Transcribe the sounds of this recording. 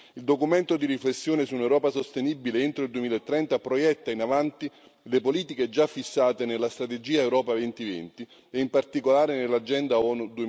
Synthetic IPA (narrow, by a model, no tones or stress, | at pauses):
ild̪okument̪od̪iriflesːjoːnesuːnewɾɔːpasost̪enibːileent̪ɾoild̪uemilaet̪ːɾɛnt̪apɾojɛt̪ːainavant̪i | lepoliːt̪iked͡ʒafːisːaːt̪enelːast̪ɾat̪ed͡ʒiːaewɾɔːpavent̪ivɛ̰nt̪i | eimpart̪ikolaːɾenelːad͡ʒɛnd̪aɔːnud̪ue